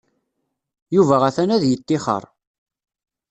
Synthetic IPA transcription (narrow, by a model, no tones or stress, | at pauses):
juvæʁæθænæðjət̪ːɪχə̰ɾˤ